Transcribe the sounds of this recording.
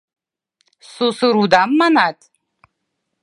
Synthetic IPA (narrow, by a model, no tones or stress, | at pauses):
susɨɾud̪amːanatʼ